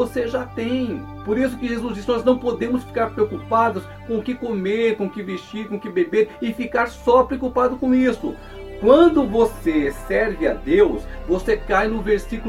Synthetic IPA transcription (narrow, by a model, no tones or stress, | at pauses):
oseʒat̪ẽj̃ | poɾisʊkɪʒezuzd͡ʒisɪnɔznɐ̃w̃pod̪ẽmʊsfi̥kaɾpɾeokupad̪ʊs | kõʊkɪkomeɾkõʊkɪvest͡ʃiɾkõkɪbebeɾɪfikaɾsɔpɾeokupad̪ʊkõw̃isʊ̰ | kwɐ̃d̪ʊvosesɛɾvɪa̰d̪ewsvosekajnʊveɾsikul